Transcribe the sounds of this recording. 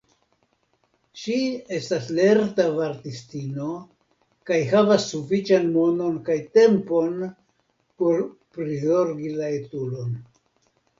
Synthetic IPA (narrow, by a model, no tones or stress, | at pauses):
ʃie̞stasle̞ɾtavaɾtistino̞ | kajhavasːufit͡ʃanmo̞no̞nkajte̞mpo̞n | po̞ɾpɾizo̞ɾɡilaetulo̞n